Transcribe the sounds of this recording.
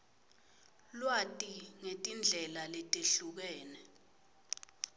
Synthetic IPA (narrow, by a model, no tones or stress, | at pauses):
lwatʼiŋetʼind͡ɮʱɛlaletʼeɬuk̬ɛːnɛ